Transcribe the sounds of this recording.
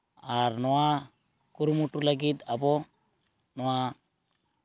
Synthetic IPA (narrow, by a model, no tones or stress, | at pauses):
aɾnowa | kuɾmuʈːulaɡit̪abo | nowa